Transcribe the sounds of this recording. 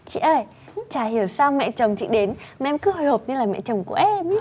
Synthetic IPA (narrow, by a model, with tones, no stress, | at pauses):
t͡ɕḭ˧˨ʔəː˧˩j | t͡ɕaː˧˩hi˧˩əwsaː˧wmɛ̰˧˨t͡ɕə˨˩wŋ͡mt͡ɕḭ˧˨ɗe˨˦nma˧˨ʔɛ˧mkɨ˨˦ɦo˨˩jho˨˩p̚ɲɨ˧laː˨˩mɛ̰˧˨t͡ɕə˨˩wŋ͡mku˧˩əʔɛ˧m